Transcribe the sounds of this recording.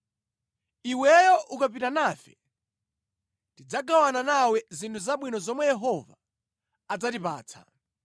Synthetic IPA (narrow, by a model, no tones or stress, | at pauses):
iwɛjɔʔukap̬itanaːfɛ̰ | ntid͡zaɡawananawɛzintʰuzaɓwinɔzɔmwɛjɛɦɔva̰ː | d͡zatipa̰ːt͡sʰa̰